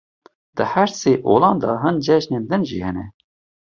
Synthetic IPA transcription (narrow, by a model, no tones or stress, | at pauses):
d̪̥əhæɾseːʔoːlɑːnd̪ɑɦɨnd͡ʒɛʒnend̪ɨnʒḭːhɛnɛ̰